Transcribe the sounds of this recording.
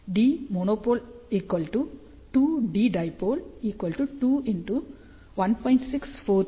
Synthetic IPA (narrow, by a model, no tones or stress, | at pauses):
ɖiːmoːnoːpoːliːkʋɐlʈu | ʈuːɖiːɖɐjpoːliːkʋɐlʈuʈuːiɳʈu | ʋɐnpɔjɳʈsikspoː